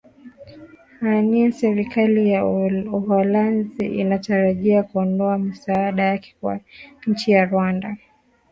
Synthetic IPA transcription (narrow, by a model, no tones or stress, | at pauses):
haniɛsɛɾikʰalijauhɔlanziʔinataɾaʄiakuɔndɔamisaːɗajakɛ̥kwa̰ɲ̩t͡ʃijaɾwanda